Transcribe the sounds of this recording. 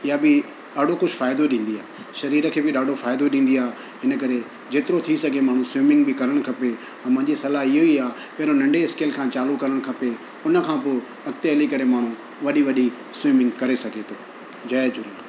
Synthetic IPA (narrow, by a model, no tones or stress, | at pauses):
ɪjabɪ | ɗaːɖʱokʊd͡ʑʰʱʊfaːɪd̪oɗĩːn̆d̪iaːe | ʃɐɾiːɾəkʰeːbɪɗaːɖʱofaːɪd̪oɗĩːn̆d̪iaː | ɪnək̬ɐɾe | d͡ʑeːt̪ɪɾot̪ʰisɐɡʱemaːɽ̤ũsʊwɪmɪ̃ŋɡbɪkɐɾəɽ̃kʰɐpe | ɐ̃mɐ̃ɦɪ̃ɲd͡ʑisɐlaɦɪɦoiaː | pɐ̃ɦɪɾonɐ̃ɳɖeɪskeːlkʰãːt͡ɕaːlukɐɾəɽ̃kʰɐpe | ʊnə̆kʰãːpoː | ɐkt̪eəlikɐɾemaːɽ̤ũ | ʋɐɗiʋɐɗi | sʊɪjmɪ̃ŋɡkɐɾesɐɡʱet̪ʰoː | d͡ʑɐed͡ʑʊɾĩ